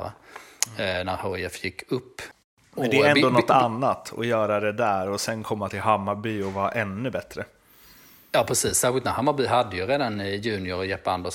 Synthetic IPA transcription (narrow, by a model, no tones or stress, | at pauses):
a̰ | næɾhɔɪɛfjɪkːɵpː | mɛnd̪ɛɾɛnd̪oːnt̪ːanːat̪ɔ̰jœːɾad̪ɛd̪æːɾɔsɛnkʰɔmːat̪ʰɪlɦamːaɾbyːɔvɑːɾa̰ʔɛnːɵbɛt̪ɾə | jɑːpʰɾɛsiːsːæːɾxɪlt̪næɾhamːabyːɦad̪ːəjɵɾeːd̪anjʉ̟ːnɪʊɾɔjɛpːand̪ə